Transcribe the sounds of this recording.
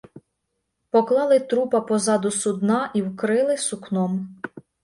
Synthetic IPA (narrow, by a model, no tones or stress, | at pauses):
pɔklˠɑlˠɪt̪ɾupɐpɔzɑd̪ʊsʊd̪nɑʔiwkɾɪlˠɪsʊknɔm